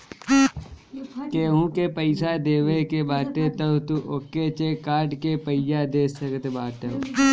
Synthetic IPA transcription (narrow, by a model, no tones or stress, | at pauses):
keːɦũkepəɪsad̪eːʋekebaːt̪et̪ɐwt̪uʔokːet͡ʃekaːɖkepəɪjad̪eːsɐkət̪ebaːt̪e